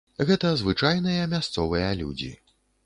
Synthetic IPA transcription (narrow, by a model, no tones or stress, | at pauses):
ɣɛt̪ɐzvɨt͡ʂajnɨjɐmʲast̪sɔvɨjɐlʲṵd͡zʲḭ